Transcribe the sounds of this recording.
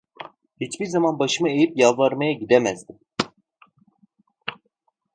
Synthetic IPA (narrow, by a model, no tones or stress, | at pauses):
hit͡ʃbiɾzamanbaʃɯmae̞jipjalˠlːˠaɾmajaɟid̪ɛmɛzd̪im